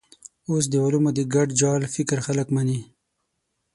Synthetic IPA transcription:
os̬d̪əwalumod̪əɡaɖd͡ʒɑlfɪkɾxaləkmani

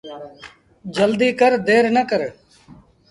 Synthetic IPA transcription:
d͡ʒəld̪iːkəɾd̪eːɾnəkəɾ

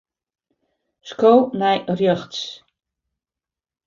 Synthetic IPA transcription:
skownɛjrjøxts

